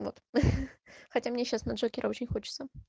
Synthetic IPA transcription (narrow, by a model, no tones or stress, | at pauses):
vot̪ | xɐtʲamnʲeɕːasnɐʐokʲɪɾʔəo̞t͡ɕɪnʲxot͡ɕɪ̥t̪sə